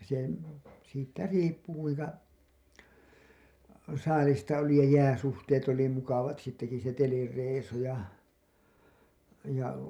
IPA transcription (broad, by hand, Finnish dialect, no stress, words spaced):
se siːtːæ riːpːu kuiŋkɑ sɑːlistɑ oli jɑ jæːsuhteːt oli mukɑʋɑt siːtːæki se telireisu jɑ jɑ